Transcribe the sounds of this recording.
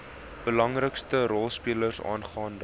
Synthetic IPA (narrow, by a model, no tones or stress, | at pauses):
b̥əlɐŋrəkstəɾɔlˠspiələrsɑ̰ːnχɑːnd